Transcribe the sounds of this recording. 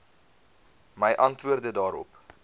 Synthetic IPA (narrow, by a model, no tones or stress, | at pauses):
məjʔɐntvuərdədɑːɾɔ̰p